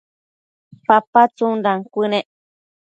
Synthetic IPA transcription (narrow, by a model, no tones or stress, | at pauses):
papat͡sundaŋkʷɨnẽʔ